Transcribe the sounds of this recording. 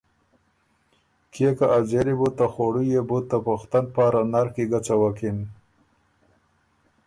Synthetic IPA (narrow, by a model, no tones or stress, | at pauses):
kʰekaʔazeɾibut̪ːaxoɽujebut̪ːapoxt̪an̚paːɾanaɾxkiɡat͡sawakin